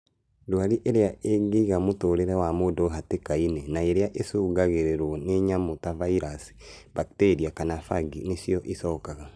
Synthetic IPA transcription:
dwaɾiʔeɾeaʔeɡiɣamotoɾeɾewamodoɦatekainenaeɾeaʔesuːɡaɣeɾeɾwɔneɲamotavaiɾasi̥ | bakteɾiakanafaɡineʃiɔʔisɔːkaɣa

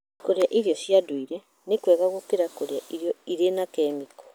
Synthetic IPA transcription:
koɾeaʔiɾjɔsjadwiɾɛ | nekwɛɣaɣokeɾakoɾeaʔiɾjɔiɾenakɛːmiko̥

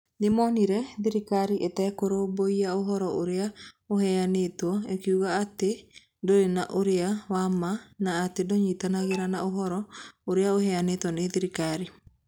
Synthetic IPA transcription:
nemɔːniɾɛðiɾikaɾiʔetɛːkoɾoboiaoɦɔɾɔoɾeaohɛanetwɔekiuɣaːte | ndoɾenaʔoɾeawamanaːtedoɲitanaɣeɾanaoɦɔɾɔoɾeaohɛanetwɔneðiɾikaɾi

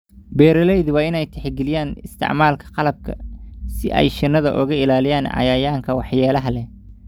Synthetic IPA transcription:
bɛːɾɐlɛjðʊwɑːɪnɛjt̪ʰɛħɡɪlɪjaːnɪst̪ʰɪ̰ʕmaːlkʰɐ̥qɑlɐb̚kʰɐ̰sɪʔɛ̰jʃɪnːɐðɐ̰ʔɔ̰ɣɐɪlaːlɪjaːnɑ̰jaːjaːŋkʰɐwɑħjaːlɐɦɐlɛ

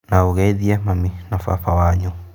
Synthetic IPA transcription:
naoɣɛiðiɛmaminafa̰fawaɲɔ

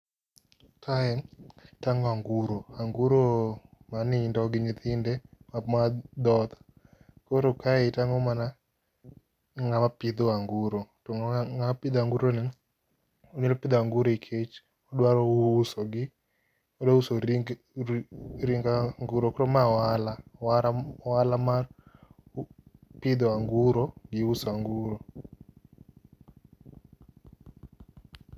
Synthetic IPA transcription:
kʰaɛtaŋɔaŋɡuɾoaŋɡuɾomanɪndɔɡɪɲit̪ɪndɛmamad̪ɔt̪ | koɾokaɛtaŋɔmana | ŋamapɪd̪ɔaŋɡuɾotɔŋaŋamapɪd̪aŋɡuɾonɛ | oɲelopɪd̪oaŋɡuɾoikʰet͡ʃ | ɔɗwaɾɔusoɡɪ | ɔdɔuso | ɾiŋɡaŋɡuɾokɔɾɔmawalawaawalamar | pɪd̪ɔaŋɡuɾɔɡɪusaŋɡuɾo

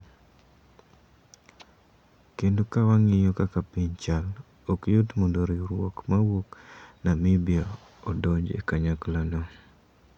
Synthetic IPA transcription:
kendokawaŋɪjɔkakapiɲt͡ʃal | ɔkjotmondoɾiɾwɔkmawoknamɪbio | ɔdɔd͡ʒḛkaɲaklanɔ

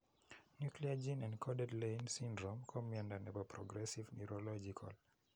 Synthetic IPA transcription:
njukliad͡ʒĩnãnkʰɔdɛdlẽnsĩndɹɔ̃mkʰɔmɛ̃ndãnɛvəpʰɹɔɡɹɛsivnɛɹɔlɔd͡ʒikʰa̰l

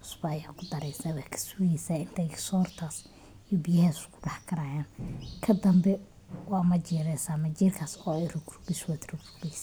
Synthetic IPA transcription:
ʊsbɐɐjaːkʰʊd̪ɐɾɛjsaːwakʰɐ̥sujɛsaːɪnt̪ʰɛjsɔːrt̪ʰaːs | ijɔbijɐhɛːskʰʊ̥ɖɑħkʰɐɾaːjaːnkʰɐd̪ɐmbɛ | wɑːmɐt͡ʃɛːɾɛsaːmɐt͡ʃiːrkʰasɔːɛjrʊɡrʊbɪswaːd̪rʊɡrubɛjs

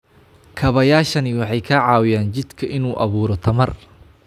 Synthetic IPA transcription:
kʰɐβɐjaːʃɐnɪwɑħɑjkʰɐʕɑːwɪjaːnt͡ʃɪd̪kʰɐʔɪnuːʔɐβuːɾɔt̪ʰɐmɐr

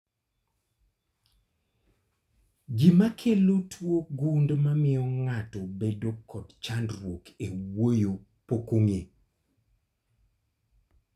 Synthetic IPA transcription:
ɡimakʰelotʰwoɡundmamɪɔŋatɔbedokʰːɔdt͡ʃandɾwokewojo | pokoŋe

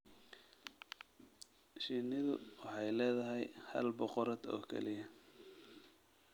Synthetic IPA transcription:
ʃiːnɪðʊ̰wɑħɑjlɛːðɐɦɛjhɐ̰lbɔqɔɾɐd̪ɔ̰ːkʰɛ̰lɪjɐ

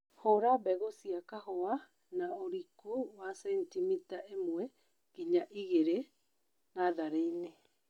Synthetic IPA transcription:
hoɾabɛɣosiakaɦoa | naoɾikowasɛntimitaʔemwɛ | kiɲaʔiɣeɾe | naðaɾeine

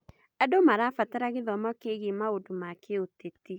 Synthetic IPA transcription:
ɛdomaɾaːfataɾaɣeðɔmɔkeɣimaodomakʰeoteti

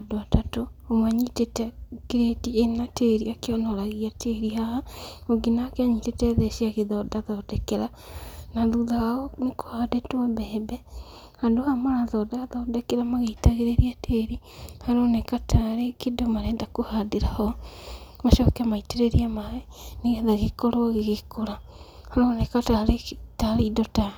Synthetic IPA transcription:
adoatatoomwaɲitetɛɡeɾetienateɾiakeɔnɔɾaɣiatʰeɾihahaoɡinakeaɲitetɛðɛʃiaɣeðɔdaðɔdɛkeɾa | naðuðaɔneko̥hadetwɔbɛːbɛ | handohamaɾaðɔdaðɔːdekeɾamaɣeitaɣeɾeɾiatʰeːɾihaɾonɛkataɾekidomaɾɛndakohadiɾahɔ | maʃɔkeamaiteɾeɾiamaɛ | neɣeðaɣekoɾoɣɣekoɾa | haɾonɛkataɾetaɾeidota

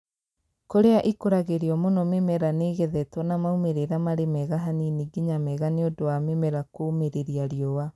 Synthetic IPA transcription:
koɾeaʔikoɾaɣeɾiɔmonɔmemɛɾaneɣɛðɛtwɔnamaumeɾeɾamaɾemɛɣaɦaniniɡiɲamɛɣaneodowamemɛɾakomeɾeɾiaɾiɔwa

